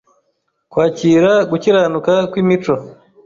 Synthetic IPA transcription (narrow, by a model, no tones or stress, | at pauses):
kwaːciːɾaɡuciɾaːnukakwiːmit͡ʃo